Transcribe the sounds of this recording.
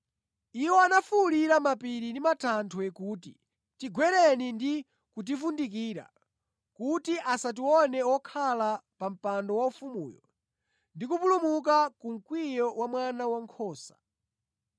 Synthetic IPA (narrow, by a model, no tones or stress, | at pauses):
iwɔanafuliɾamapiɾindimatʰantʰɔɛkuːtḭ | tiɡwɛɾɛnindi | kut̬ifundik̬iːɾa̰ | kutiʔasat̬iwɔnɛɔkʰalapam̩pandɔwaufumṵːjɔ̰ | ndikupulumukakuŋ̩kwijɔwamwanawaŋkʰɔːsḁ